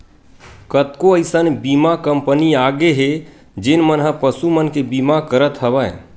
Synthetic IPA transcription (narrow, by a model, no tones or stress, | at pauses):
kət̪koəɪsənbimakəmpəniaɡeɦe | d͡ʒɪnmənɦə̃pəsumənkebimakəɾət̪ɦəbə